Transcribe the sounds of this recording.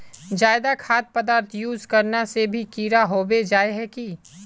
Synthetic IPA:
d͡ʒaːɪd̪akʰaːt̪̚pɐd̪aːɾt̪ʰjuːzkɐɾnasebʱikiːɾaɦoːbed͡ʒaːeɦɛki

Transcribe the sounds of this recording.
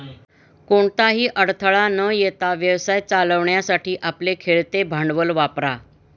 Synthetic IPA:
koɳt̪aɦiːʔəɽt̪ʰəɭanəjet̪aʋjəʋsajt͡saləʋɳjasaʈʰiːʔaplekʰeɭt̪ebʱaɳɖʋəlʋapɾa

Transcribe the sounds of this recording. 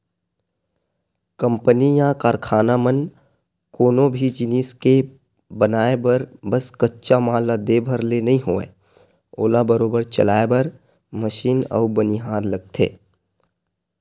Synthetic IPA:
kə̃mpənijãkaːɾkʰaːnamən | koːnõbʱid͡ʒɪniːske | bənaːebəɾbəskətːʃamãːlad̪eːbʱəɾlenɐɦĩɦoːḛː | o̰ːlabəɾoːbəɾt͡ʃə̰laːebəɾ | məʃiːnɔ̰ːʊbəniɦaːɾləɡ̚t̪ʰḛː

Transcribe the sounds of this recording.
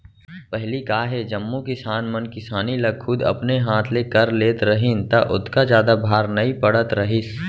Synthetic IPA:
pɛɦlikaːɦed͡ʒɐmːukɪsaːnmɐnkɪsaːnilɐɡxʊd̪ɐ̰pneɦaːt̪ʰlekɐɾleːt̪ɾɐɦɪnt̪ɐʔʊ̰t̪ʰkazjaːd̪abʱaːɾnɐipɐɽət̪ɾɐɦɪs

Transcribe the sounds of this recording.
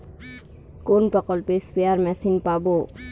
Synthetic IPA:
koːnpɐqɔlpeːspijaːɾmɛːsinpaːboː

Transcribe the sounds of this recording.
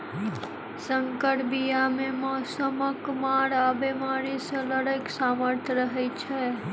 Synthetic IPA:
sə̃ŋkəʈbijamẽmɔːsəməkmaːɽaːbemaːɾiseləɽəksaːməɾt̪ʰjɾəɦet͡ʃʰɛ

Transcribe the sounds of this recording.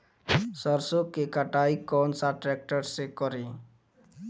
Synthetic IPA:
səɾsokːekaʈaikɔnsaʈɾɛk̚ʈəɾsekɔɾe

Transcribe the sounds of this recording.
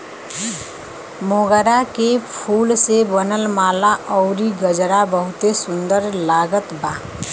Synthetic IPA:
moɡɾakepʰuːlsebənəlmaːlaʔɔʊɾiɡəd͡ʒɾabəɦʊt̪esʊnd̪əɾlaːɡət̪baː

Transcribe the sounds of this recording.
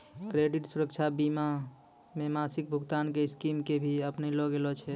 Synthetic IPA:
kɾeɖiʈsuɾək̚t͡ʃʰabima | memasik̚bʱuɡt̪ankeɪskimkebʱiəpnelɔɡelɔt͡ʃʰɛ

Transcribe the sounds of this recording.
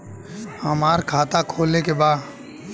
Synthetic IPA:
həmaːɾkʰaːt̪akʰoːlekebaː

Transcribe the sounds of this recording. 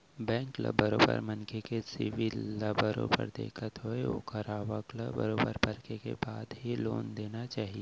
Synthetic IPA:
bɛ̃ːŋklə̰bəɾoːpə̰ɾmə̃nkʰekesiʋilːəbəɾõ̰pə̰ɾd̪ḛːkʰət̪ɦoeo̰kəɾaːʋəkləbəɾoːbəɾpɐɾkekḛbaːd̪ɦiloːnd̪eːnat͡ʃaːɦije

